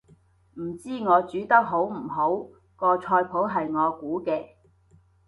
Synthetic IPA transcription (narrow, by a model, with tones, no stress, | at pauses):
m̩˨˩t͡siː˥ŋɔː˨˧t͡ʃyː˨˥t̪ɐ˥k̚ɦo˨˥wm̩˨˩ɦo˨˥w | kɔː˧t͡ʃʰɔː˧jpʰo˨˥wɦɐ˨jŋɔː˨˧kuː˨˥kɛː˧